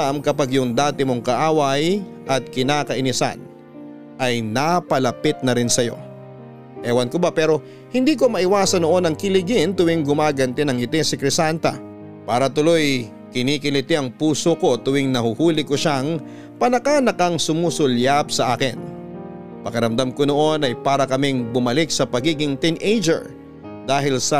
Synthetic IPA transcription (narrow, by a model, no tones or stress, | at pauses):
amkɐpaɡjʊŋd̪aːt̪ɪmoŋkɐʔaːwɐj | ʔɐt̪̚kɪnaːkɐʔɪnɪsa̰n | ʔɐjnapɐlɐpɪt̪̚nɐɾɪnsɐjo̞̰ | ʔɛːwɐnkobapɛːɾo̞ | hɪnd̪iːko̞mɐʔɪwaːsɐnoʔo̞nɐŋkɪlɪɡɪnt̪ʊwɪŋɡʊmaːɡɐnt̪ɪnɐŋɪt̪ɪsɪkɾɪsant̪ɐ̰ | paːɾɐt̪ʊlo̞j | kɪniːkɪlɪt̪ɪɐŋpuːsoko̞t̪ʊwɪŋnɐhʊhuːlɪkoʃaŋ | pɐnɐkaːnɐkɐŋsʊmuːsʊljabsɐʔa̰ːkɪn | pɐkɐɾɐmd̪amkono̞ʔo̞nɐjpaːɾɐkɐmɪŋbʊmɐlɪk̚sɐpɐɡiːɡɪŋt̪inʔejd͡ʒɛ̰ɹ | d̪aːɦɪlsɐ